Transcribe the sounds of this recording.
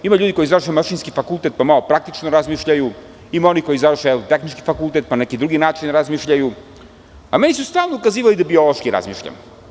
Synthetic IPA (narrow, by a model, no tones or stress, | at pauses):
imaʎuːd̪iko̞jizavɾrʃemaʃiːnskifakulˠt̪et̪̚pamalo̞pɾak̚t̪it͡ʃnoɾazmiːʃʎaju | imao̞niko̞jizaʋɾrʃeɛt̪exnit͡ʃkifakult̪et̪̚panekid̪ɾuɡinaːt͡ʃinɾazmiʃʎaju | ame̞nisust̪aːlˠnoukaziːʋalid̪abiolˠoʃkiɾa̰zmḭːʃʎa̰m